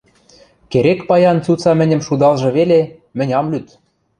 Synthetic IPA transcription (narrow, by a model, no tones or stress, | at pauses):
keɾekpɑjɑnt͡sut͡sɑmɘ̆nʲɘ̆mʃud̪ɑlˠʒɤ̆βele | mɘ̆nʲɑmlyt̪